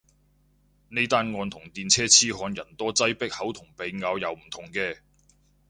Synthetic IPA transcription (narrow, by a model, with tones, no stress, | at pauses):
ne˥jt̪aː˥nŋɔː˨˧nt̪ʰʊ˨˩ŋt̪iː˨nt͡sʰɛː˥t͡sʰiː˥ɦɔː˨˧njɐ˨˩nt̪ɔː˥t͡sɐ˥jpɪ˥k̚hɐ˨˥wt̪ʰʊ˨˩ŋpe˨˧jŋaː˨˧wjɐ˨˧wm̩˨˩t̪ʰʊ˨˩ŋkɛː˧